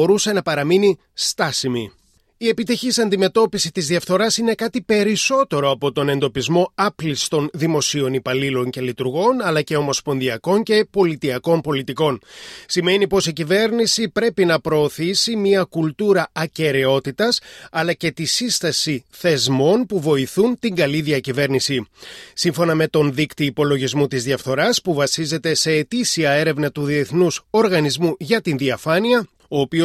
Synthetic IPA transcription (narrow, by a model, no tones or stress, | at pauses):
oɾuse̞nɐpɐɾɐmini | st̪ɐsimi | ie̞pit̪içisɐnd̪ime̞t̪o̞pisit̪izðiɐfθo̞ɾɐsine̞kɐt̪ipe̞ɾiso̞t̪e̞ɾo̞ɐpo̞t̪o̞ne̞nd̪o̞pizmo̞ɐplist̪o̞nðimo̞sio̞nipɐlilo̞nce̞lit̪uɾɣo̞nɐlɐce̞o̞mo̞spo̞nðiɐko̞nce̞po̞lit̪iɐko̞npo̞lit̪iko̞nsime̞nipo̞sicive̞ɾnisipɾe̞pinɐpɾo̞ːθisimiɐkult̪uɾɐːce̞ɾe̞o̞t̪it̪ɐsɐlɐce̞t̪isist̪ɐsiθe̞zmo̞npuvo̞iθunt̪iŋɡɐliðiɐcive̞ɾnisisiɱfo̞nɐme̞t̪o̞nðikt̪iːpo̞lo̞ʝizmut̪izðiɐfθo̞ɾɐspuvɐsize̞t̪e̞se̞ːt̪isiɐe̞ɾe̞vnɐt̪uðie̞θnuso̞ɾɣɐnizmuʝɐt̪inðiɐfɐniɐ | o̞ːpio